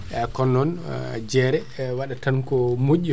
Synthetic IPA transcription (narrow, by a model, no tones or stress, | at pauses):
ʔɛkɔnːɔnd͡ʒɛɾɛwaɗatankɔmoʔu